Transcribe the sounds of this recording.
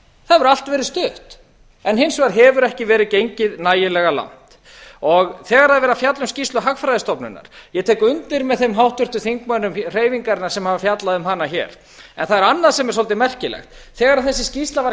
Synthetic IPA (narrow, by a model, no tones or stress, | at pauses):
θaðɛvʏɾalt̪vɛːɾɪðst̪ʏht̪ | ɛnɦɪnsvaɾ̥ɦɛvʏɾɛhcɪvɛːɾɪðcejɲcɪðnaːjɪlɛɣala̰n̥t̪ | ɔɣθɛːɣaɾhaðvɛɾafjat̪lʏmscist̪lʏɦaxfɾajðɪst̪ɔpnʏ̰nːa̰ɾ̥jɛt̪ʰɛːjkʏʏnt̪ɪɾmɛðθejmɦawht̪ʏr̥t̪ʏθiŋkmœnʏmr̥eːjviŋkaɾɪnːaɾsɛmhaːvafjat̪laðʏmɦaːnːaçɛ̰ːɾ̥ | ɛ̰nθaðɛɾanːasɛmjɛɾ̥sɔlt̪ɪmɛr̥cɪlɛ̰xt̪θɛːɣaɾaðθɛsːɪscist̪lava